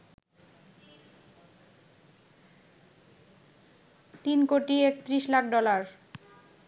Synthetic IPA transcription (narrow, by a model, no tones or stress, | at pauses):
t̪inkoʈiekt̪ɾiʃlakʰɖɔlaɾ